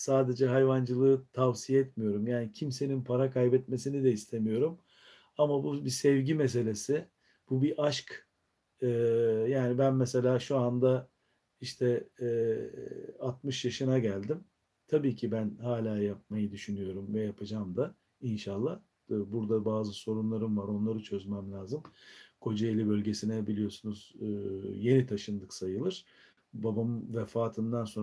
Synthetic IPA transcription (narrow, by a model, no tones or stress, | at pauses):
saːd̪e̞d͡ʒɛɦajvand͡ʒɯlˠɯɯt̪ʰavsijɛt̪mijo̞ɾumjaːnicʰimse̞ninpʰaɾakʰajbɛt̪me̞sinid̪ɛist̪ʰemijo̞ɾum | amabubisɛvɟimes̬e̞lʲe̞sɪ | b̥ubiʔaʃk | ɯːjaːnibænmɛse̞lʲaːʃuand̪a | iʃt̪ʰɛ | at̪mɯʃjaʃɯnaɟælʲd̪im | t̪ʰabiːcʰibænhaːlʲaːjap̚majɯd̪yʃynyjo̞ɾumvɛjapʰɯd͡ʒaːmd̪a | inʃalˠːah | buɾd̪abaːzɯso̞ɾunlˠaɾɯmvaɾo̞nlˠaɾɯt͡ʃʰø̞zmɛmlʲaːzɯmkʰo̞d͡ʒaelʲibø̞lʲɟe̞sinɛbilʲijo̞sunuz̥ | je̞nit̪ʰaʃɯnd̪ɯksajɯlˠɯɾ̥ | babamvɛfaːt̪ʰɯnd̪anso̞n